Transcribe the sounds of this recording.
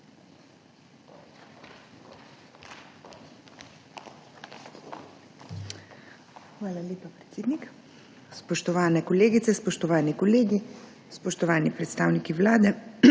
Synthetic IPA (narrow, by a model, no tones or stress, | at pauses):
xʋaːlaleːpapɾɛ̥t̪seːd̪nik | spɔʃt̪ɔʋaːnɛkɔleːɡit̪sɛspɔʃt̪ɔʋaːnikɔleːɡi | spɔʃt̪ɔʋaːnipɾɛt̪st̪aːwnikiʋlaːd̪ɛ